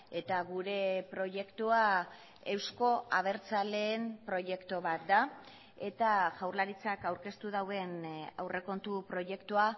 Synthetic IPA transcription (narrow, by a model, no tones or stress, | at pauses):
e̞t̪aɣuɾe̞pɾo̞ʝe̞kt̪ua | e̞wsko̞aβ̞e̞ɾt͡sale̞ːmpɾo̞ʝe̞kt̪oβat̪̚d̪a | e̞t̪aʝawrlaɾit͡sakawɾke̞st̪uðawðe̞na̰wrʔe̞ko̞nt̪upɾo̞je̞kt̪ua